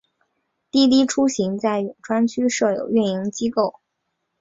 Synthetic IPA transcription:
t̪i˥˧˩t̪̬i˥ʈ͡ʂʰu˥ɕi˧˥ŋt͡sa˥˩ɪɥy˨˩nʈ͡ʂʰwa˥nt͡ɕʰy˥ʂɤ˥˩jo̰˨˩ʊy˥˩ni˧˥ŋt͡ɕi˥ko˥˩ʊ

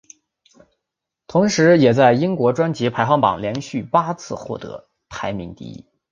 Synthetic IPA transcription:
t̪ʰʊ˧˥ŋʂɻ̩˧˥jɛ˨˩t͡sa˥˩ɪi˥ŋkwɔ˧˥ʈ͡ʂwa˥nt͡ɕi˧˥pʰa˧˥ɪxwɑ˥˩ŋpɑ̰˨˩ŋljɛ˧˥nɕy˥˩pa˥t͡sʰɹ̩˥˧xwɔ̰˥˩t̪ɤ̰˧˥ | t̪ʰa˧˥ɪmi˧˥ŋt̪ḭ˧˥

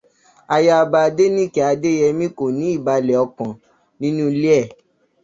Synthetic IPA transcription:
a˧ja˧a˧ba˧a˧de˦nĩ˦ki˨a˧de˦jɛ˧mĩ˦ko˨nĩ˨˦i˦˨ba˧lɛ˨ɔ˧kɔ̃˨ | nĩ˦nũ˦li˦ɛ˦˨

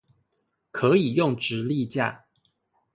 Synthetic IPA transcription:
kʰɤ˨˦i˨˩jʊ˥˨ŋʈ͡ʂɻ̩˨˦li˥˧t͡ɕja̰˥˨

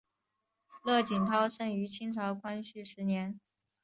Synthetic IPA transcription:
lɤ˥˩t͡ɕi˨˩nt̪ʰɑ˥ʊʂɤ˥˩ŋy˧˥t͡ɕʰi˥nʈ͡ʂʰɑ˧˥ʊkʰwa˥nɕy˥˩ʂɻ̩˧˥njɛ˧˥n

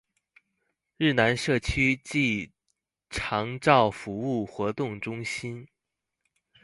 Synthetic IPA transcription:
ɻɻ̩˥˩na˧˥nʂɤ˥˩t͡ɕʰy˥t͡ɕi˥˩ | ʈ͡ʂʰɑ˧˥ŋʈ͡ʂɑ˥˩ʊfu˧˥u˥˩xwɔ˧˥t̪ʊ˥˩ŋʈ͡ʂʊ˥ŋɕi˥n

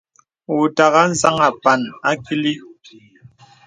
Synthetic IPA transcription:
u˨ta˨ɣa˦n̩˦za˦ŋa˨pa˨na˦ki˦li˦

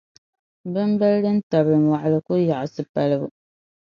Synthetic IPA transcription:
bɨ˦mba˦ldɨ˦n˦ta˨bɾɨ˨mwa˨ʔa˨lɨ˨ku˦ja˨ʔʊ˨sɨ˨pa˦lɨ˦bu˨

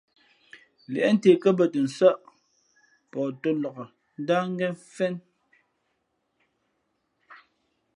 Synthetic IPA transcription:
lɛ̰˨ʔɛ˦n̩˦te˨kə˦bə˨tə˨n̩˨sə˦˨ʔ | pɔː˨to˦lɔ˨ɣə˨ | n̩˦da˦ŋ̩˦ɡɛ˦fɛ˦n

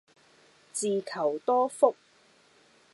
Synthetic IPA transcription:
t͡siː˨kʰɐ˨˩wt̪ɔː˥fʊ˥k̚

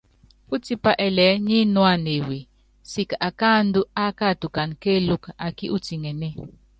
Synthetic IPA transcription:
u˦ti˦pa˦ʔɛ˨lɛː˨˦ɲi˦nwa˦˨ne˨we˨ | si˦ka˨ka˦n̩˦du˦a˦ka˦˨tu˨ka˨nke˦lu˦ka˨ki˦ʔu˦ti˨ŋɛ˨nɛ˦˨

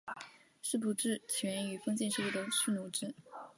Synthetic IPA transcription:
ʂɻ̩˥˩pu˨˩ʈ͡ʂɻ̩˥˩t͡ɕʰɛ˧˥ə˥ŋy˨˩fɤ˥ŋt͡ɕi˥˧nʂɤ˥˧u˥˩d̪ə˨˩ʂɻ̩˥˩nu˧˩ʈ͡ʂɻ̩˥

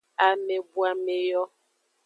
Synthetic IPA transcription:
a˨me˨bu˦a˨me˨jɔ˦

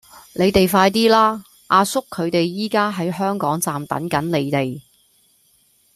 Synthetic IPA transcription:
ne˨˧jt̪e˨jfaː˧jt̪iː˥laː˥ | ʔaː˧sʊ˥kʰːɵ˨˧ɥt̪e˨jːiː˥kaː˥ɦɐ˨˥jɦœː˥ŋkɔː˨˥ŋt͡saː˨mt̪ɐ̰˨˥nkɐ˨˥nle˨˧jt̪e˨j

